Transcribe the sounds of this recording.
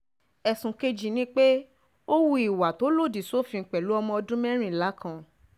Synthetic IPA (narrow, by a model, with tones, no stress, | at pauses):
ɛ˧sũ˧ke˦d͡ʒi˨nĩ˦k͡pe˦ | o˦wu˧i˨wa˨to˨˦lo˦˨di˨so˦fĩ˧ŋ̩˧˨k͡pɛ˨lu˨˦ɔ˧mɔ̃˧ɔ˧dũ˦mɛ̃˦ɾ̃ĩ˦˨la˨˦kʰã˧